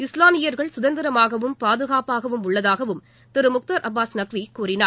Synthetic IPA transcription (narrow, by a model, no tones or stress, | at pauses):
ɪslaːmɪjɐɾɣɐɭsʊðɐnd̪ɪɾɐmaːɣɐʋɯmpaːðɯɣaːpaːɣɐʋɯmʊɭːɐðaːɣɐʋɯm | t̪ɪɾɯmʊk̚t̪ɐɾʔɐbːaːsnɐkʋikuːrɪnaː